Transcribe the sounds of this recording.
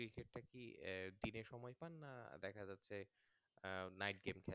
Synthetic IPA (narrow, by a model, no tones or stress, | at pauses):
ɾikeʈ̚ːakid̪ineɾʃɔmɔjpanːad̪ɛkʰad͡ʑatːɕʰe | najʈɡemkʰɛ